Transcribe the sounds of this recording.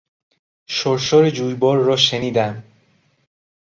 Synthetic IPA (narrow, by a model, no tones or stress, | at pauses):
ʃoɾʃɒːɾed͡ʒuːjbɒːɾːɒːʃeniːd̪æm